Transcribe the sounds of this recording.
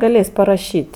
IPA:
ɡɐˈlʲeːsʲ pɐrɐˈʃʲiːtʲ

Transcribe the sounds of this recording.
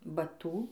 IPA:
bɐˈtuː

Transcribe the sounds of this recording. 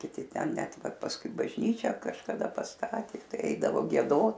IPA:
kʲɪˈtʲɪ ˈtʲɛn ˈnʲɛt ˈʋɐ pɐsˈkʊɪ bɐʒʲˈnʲiːt͡ʃʲæː kɐʃkɐˈdɐ pɐsˈtɑːtʲeː ˈtɐɪ ˈɛɪdɐʋoː ɡʲiɛˈdoːt

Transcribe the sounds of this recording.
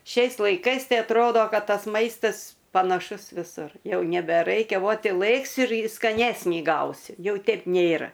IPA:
ˈʃʲɛɪs lˠɐɪˈkɐɪs ˈtɐɪ ɐtˈroːdoː ˈkɐt ˈtɐs ˈmɐɪstɐs pɐnɐˈʃʊs ʋʲɪˈsʊr ˈjɛʊ nʲɛbʲɛˈrɐɪkʲɛ ˈʋoːt ɪ ˈlˠɘksʲɪ ɪr skɐˈnʲæːsʲnʲiː ˈɡɐʊsʲɪ ˈjɛʊ ˈtʲɛp ˈnʲeːrɐ

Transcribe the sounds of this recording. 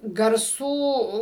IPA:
ɡɐrˈsuː

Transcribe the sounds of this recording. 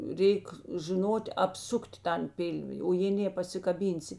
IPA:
ˈrʲɛɪk ʒʲɪˈnoːtʲ ɐpˈsʊktʲ ˈtɐn ˈpʲɪlʲʋʲɪ oː jeː ˈnʲeː pɐsʲɪkɐˈbʲiːnʲsʲɪ

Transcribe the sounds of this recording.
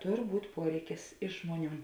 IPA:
ˈtoːr ˈbuːt ˈpuɔrʲɛɪkʲɪs ˈɪʃ ʒmuɔˌnʲuː

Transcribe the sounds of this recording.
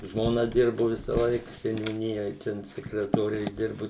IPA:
ʒmoːˈnɐ ˈdʲɪrbʊ ˈʋʲɪsɐˌlˠɐɪk sʲɛnʲuːˈnʲɪjoːj ˈtʲɛn sʲɛkrʲɛtoːˈrʲɛ ɪʒʲˈdʲɪrbʊ

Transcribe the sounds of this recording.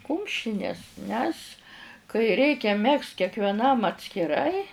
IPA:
ˈkʊmʲʃʲɪnʲɛs nʲɛs kɐɪ ˈrʲɛɪkʲɛ ˈmʲɛkst kʲɛkʋʲɛˈnɐm ɐtʲsʲkʲɪˈrɐɪ

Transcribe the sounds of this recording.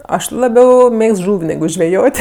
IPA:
ˈɐʃ lˠɐˈbʲɛʊ ˈmʲeːkst ˈʒuːw nʲɛˈɡʊ ʒʲʋʲɛˈjoːtʲ

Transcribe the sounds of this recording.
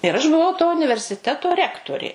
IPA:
ɪr ɐʃ bʊˈʋɐʊ toː ʊnʲɪʋʲɛrʲsʲɪˈtʲæːtoː ˈrʲæːktoːrʲeː

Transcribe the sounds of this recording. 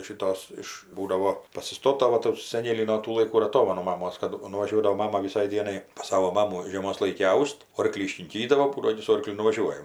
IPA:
ʃʲɪˈtoːs ˈɪʃ ˈbuːdɐʋoː pɐsʲɪˈstoːtɐ ˈʋɐ tuː sɐˈnʲeːlʲiː noː ˈtuː lˠɐɪˈkuː ɪr ɐˈtoːmɐnʊ mɐˈmoːs kɐt nʊʋɐˈʒʲuɔdɐʋoː ˈmɑːmɐ ʋʲɪˈsɐɪ ˈdʲiɛnɐɪ pɐs ˈsɑːʋoː ˈmɑːmuː ʒʲiɛˈmoːs ˈlˠɐɪkʲɪ ˈɐʊsʲtʲ ˈoːrklʲiː ɪʃʲkʲɪŋʲˈkʲiːdɐʋoː ˈbuːdoː ˈɐɪnʲɪ sʊ ˈoːrklʲʊ nʊʋɐˈʒʲuɔjɛm

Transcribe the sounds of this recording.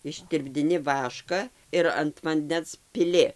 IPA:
ɪʃʲtʲɪrʲbʲdʲɪˈnʲɪ ˈʋɑːʃkɐ ɪr ɐnt ʋɐnʲˈdʲɛns pʲɪˈlʲɪ

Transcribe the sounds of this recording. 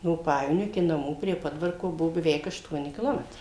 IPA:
noː ˈpɑːjɛʋoːnʲoː ɪkʲɪ nɐˈmuː pʲrʲiɛ ˈpoːdʋɐrkoː ˈbuɔ bʲɛˈʋʲɛɪk ɐʃˈtuɔnʲɪ kʲɪˈlˠoːmʲɛtrɐɪ

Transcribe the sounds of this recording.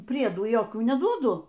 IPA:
ˈpʲrʲiɛduː joːkʲuː nʲɛˈduɔdʊ

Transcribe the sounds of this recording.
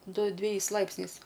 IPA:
ˈdʊ dʲʋʲɛˈjɛɪs ˈlˠɐɪpʲsʲnʲɛɪs

